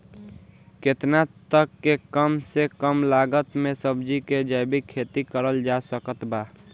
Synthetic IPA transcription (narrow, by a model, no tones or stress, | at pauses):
ket̪nat̪əkːekəmsekəmlaɡət̪mẽsəbd͡ʒiked͡ʒəjbikʰːet̪ikəɾəld͡ʒasəkət̪ba